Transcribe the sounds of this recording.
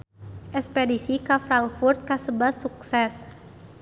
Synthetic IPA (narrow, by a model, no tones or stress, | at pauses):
ʔɛkspedisikafɾaŋkfurt̪̚kasəbasuksɛs